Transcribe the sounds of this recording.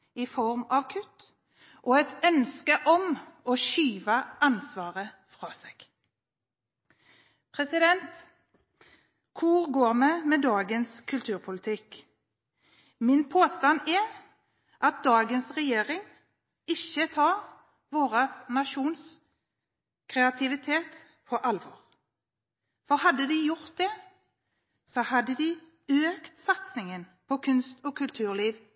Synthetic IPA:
ɪfɔʁmɑʋkʰʉt̪ː | ʔɔɛt̪œnskəʔɔmɔʃyːʋɑɑnsʋɑːʁə | fʁɑːseɡ̥ | pʰʁɛsɪd̪ɛnt̪ | kʰuʁɡoːʁmɛmɛd̪ɑːɡənskʰʉlt̪ʰʉːʁpʰʊlɪt̪ʰɪk | mɪnpʰoːst̪ɑnɛ | ʔɑt̪̚d̪ɑːɡənsʁɛjeːʁɪŋ | ɪçət̪ʰɑːʁ | ʋoːʁəsnɑʃuːns | kʰʁɛɑt̪ʰɪʋɪt̪ʰeːt̪ | pʰɔʔɑlʋoːʁ | fɔʁhɑd̪ːəd̪ɪjʊʁt̪̚d̪ɛ | sɔhɑd̪ːəd̪ɪ | øːkt̪sɑt̪snɪŋənpʰɔkʰʉnst̪ɔkʰʉlt̪ʰʉːʁliːʋ

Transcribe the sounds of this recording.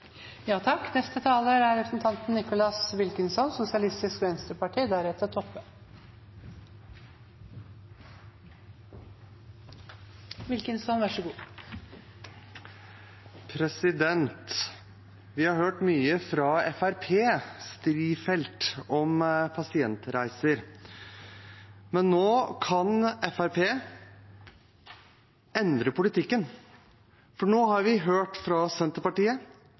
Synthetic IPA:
jɑːt̪ʰɑkːnɛst̪ət̪ʰɑːləɾæɾɛpɾəsn̩t̪ʰɑnt̪n̩ɪkʊlɑsʋɪlkɪnsɔnsʊsɪɑlɪst̪ɪskɛnst̪ɾəpɑʈʰiːd̪æːɾɛt̪ʰːət̪ʰɔpːə | ʋɪlkɪnsɔnʋɑʂəɡuː | pʰɾɛsɪd̪ɛnt̪ | ʋɪhɑɾhøːʈmyːəfɾɑɛfæɾpʰeːst̪ɾiːfɛlt̪ɔmpʰɑsɪɛnt̪ɾæɪsəɾ | mɛnːoːkʰɑnɛfæɾpʰeː | ɛnd̪ɾəpʊlɪt̪ʰɪkːən | fɔɳoːhɑɾʋɪɦøːʈfɾɑsɛnt̪əɾpɑʈiːə

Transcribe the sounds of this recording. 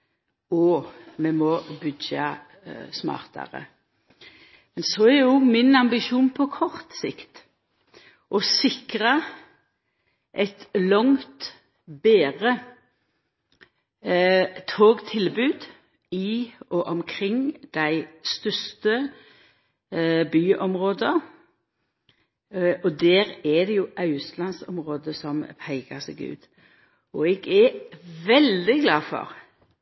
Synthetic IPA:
ɔmɛmɔbʉd̪ɑ | smɑ̰ːɾt̪ʰɑ̰ʁə̰ | mɛnsoæɾjʊmɪnɑmbɪʃuːnpʰɔkʰɔʁt̪sɪkt̪ | ʔɔsɪkʁə | ʔɛt̪lɔŋt̪ | beːʁə | t̪ʰoːɡt̪ʰɪlbʉːd̪ | iɔʔɔmkʰʁɪŋd̪̥æɪst̪œst̪ə | byːʔɔmʁoːd̪ə | ɔd̪æːʁɛd̪ɛjʊʔɑʉslɑnsɔmʁoːd̪əsɔmpʰæɪɡ̥əsɛɡʉ̰ːt̪ | ɔɛɡɛʋɛld̪ɪɡlɑːfɔ̰ʁ

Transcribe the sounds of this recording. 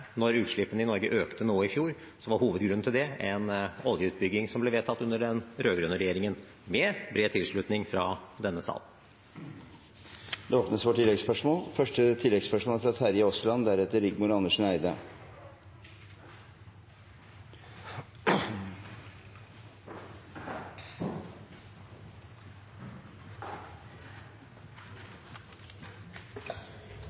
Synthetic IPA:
nɔɾʉːt̪ʂɭɪpːənəɪnɔɾɡəʔøːkt̪ənoːəɪfjuːɾ | sɔʋɑɾhuːʋəd̪ɡɾʉnt̪ʰɪld̪ɛɛnɔljəʉːt̪̚bʏɡɪŋsɔmblɛʋeːt̪ʰɑt̪ːʉnːəɖɛnɾøːɡɾʉnəɾɛjeːɾɪŋən | mɛbɾeːt̪ʰɪlʂɭʉt̪nɪŋfɾɑd̪ɛnːəsɑ̰ːl | d̪ɛoːpnəsʋoːʈʰɪlːɛɡspœʂmoːlfœʂʈət̪ʰɪlːɛɡspœʂmoːlfɾɑɛt̪hæɾɪɔsklɑnd̪æɾɛt̪ːəɾʏɡmʊɾɑnəʂnæɪd̪ə

